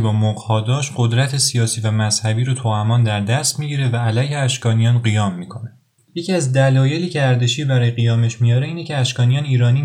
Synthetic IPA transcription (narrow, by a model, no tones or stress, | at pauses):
bɒːmoʁhɒːd̪ɒːʃɢod̪ɾæt̪ʰe̞sijɒːsiːvæmæz̥hæbiːɾot̪ʰoæmɒːnd̪æɾd̪æst̪miːɟiɾe̞væːlæjheæʃkɒːnijɒːnɢijɒːmːiːkʰo̞ne | je̞cʰiæzd̪ælɒːje̞liːcʰeæɾd̪eʃiːbæɾɒːje̞ɣijɒːme̞ʃmijɒːɾe̞iːne̞cʰe̞æʃkɒːnijɒːniːɾɒːniː